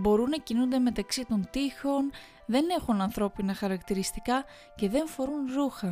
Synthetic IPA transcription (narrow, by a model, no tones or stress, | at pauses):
bo̞ɾunːɐcinund̪e̞me̞t̪ɐksit̪o̞nt̪ixo̞n | ðe̞ne̞xunɐnθɾo̞pinɐxɐɾɐkt̪iɾist̪ikɐ | ce̞ðe̞ɱfo̞ɾunɾuxɐ